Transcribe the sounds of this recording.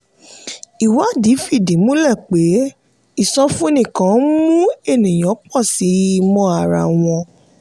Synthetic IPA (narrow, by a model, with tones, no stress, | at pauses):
i˨wa˨˦di˨˦fi˦˨dĩ˨˦mũ˦lɛ˦˨k͡pe˨˦ | i˦˨sɔ̃˧fũ˦nĩ˨kã˨˦mũ˦e˦˨nĩ˨j̃ɔ̃˨˦k͡pɔ̃˦˨si˨˦i˧mɔ̃˧a˨ɾa̰˨w̃ɔ̃˧